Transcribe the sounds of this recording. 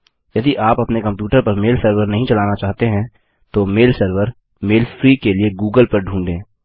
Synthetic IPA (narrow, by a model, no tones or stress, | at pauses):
jɐd̪iʔaːpɐpnekɐ̃mpjuːʈəɾpɐɾmeːlsəɾʋəɾnɐɦĩt͡ʃɐlaːnat͡ʃaːɦt̪eɦɛ̃ | t̪omeːlsəɾʋəɾ | meːlfɾiːkelieɡuːɡəlpɐɾɖʱũːɳɖẽː